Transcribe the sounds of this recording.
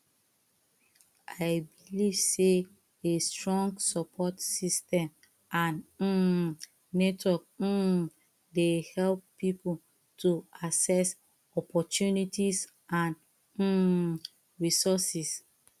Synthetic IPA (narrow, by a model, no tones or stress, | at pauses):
ajbiliv̥se | estɹɔ̃ŋɡsɔpʰɔtsistɛ̃m | ʔãn̩ | nɛtwɔk̩ | dehɛlpːipu | tʰuasɛs | ɔpʰɔtjunitis | ãn̩ | ɹisɔsis